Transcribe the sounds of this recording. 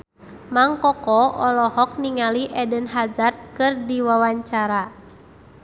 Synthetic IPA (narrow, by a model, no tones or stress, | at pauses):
maŋkɔkɔɔlɔɦɔk̚niŋaliʔɛdənɦazart̪̚kɨrdiwawaɲt͡ʃaɾa